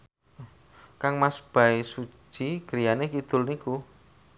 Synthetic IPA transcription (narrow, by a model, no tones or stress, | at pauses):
kaŋmasb̥aisu̥t͡ʃiɡ̥əɾijanekid̪̥ʊ̤lniku